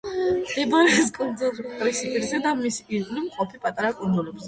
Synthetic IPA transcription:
d̪ɛbaɾɛskʼund̪zulkʼɾisipʼiɾzɛd̪amisiʁʼlimqʼɔpʰipʼat̪ʼaɾakʼund̪zulɛbzɛ

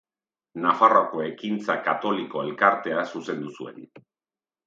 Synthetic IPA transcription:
nafaroako̞e̞kint͡sakat̪o̞liko̞e̞lkaɾt̪e̞asuse̞nd̪usue̞̰n

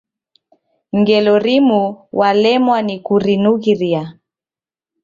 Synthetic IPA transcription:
ŋɡɛlɔɾimuwʔalɛmwanikuɾinuɣiɾia

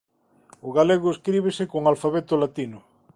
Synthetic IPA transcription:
ʊɣaleɣ̞ʊeskɾiβ̞esɪkoŋalfaβet̪ʊlat̪inʊ

